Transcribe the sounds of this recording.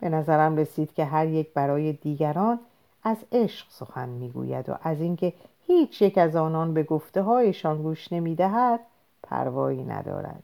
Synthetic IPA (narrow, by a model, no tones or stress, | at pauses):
b̥e̞næzæɾæmre̞siːd̪̥cʰʲe̞ɦæɾje̞c̚ʰbæɾɒːje̞d̪iːɡæɾɒːn | æze̞ʃɢ̥so̞xænmiːɡṵːjæ̰d̪o̰ʔæziŋcʰe̞hiːt͡ʃʰjecæzɒːnɒːnbe̞ɡoft̪e̞ɦɒːje̞ʃɒːnɡuːʃne̞miːd̪æɦæd̪̥̚ | pʰæ̰ɾvɒ̰ːiːnæ̰d̪ɒ̰ːɾæ̰d̪̥